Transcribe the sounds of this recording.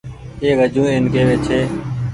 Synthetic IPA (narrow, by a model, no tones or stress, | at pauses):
eːʋəd͡ʒʱũːeːnkeːʋeːt͡ʃʰeː